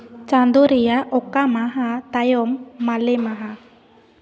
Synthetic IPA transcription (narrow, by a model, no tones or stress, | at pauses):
t͡ʃand̪uɾijaʔokamaɦat̪ajɔmːalemaɦa